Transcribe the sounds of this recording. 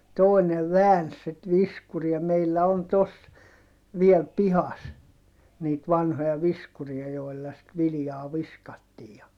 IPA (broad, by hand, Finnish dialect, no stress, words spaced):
toˑineʋ ʋæːns sit ʋiskuriɑ meilːæ on tos ʋiɛl pihɑs niːt ʋɑnhojɑ ʋiskuriɑ joi̯lːɑ sit ʋilĭjɑː ʋiskɑtːiː jɑ